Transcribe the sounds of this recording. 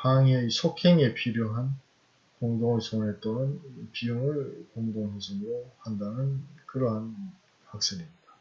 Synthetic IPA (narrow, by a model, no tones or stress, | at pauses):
paŋeisʰokʰeŋe̞pʰiɾjoɦan | koŋdoŋsʰoŋnet͈onɯnpiɯŋɯɭkoŋdoŋɦesʰɯnɯɾohandanɯnkɯɾʌɦan | pak̚s͈enimɲid̥a